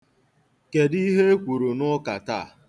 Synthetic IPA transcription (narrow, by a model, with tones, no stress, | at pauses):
ke˨di˦ɦe˦kʷu˨ɾu˨nʊ˦ka˨ta˦˨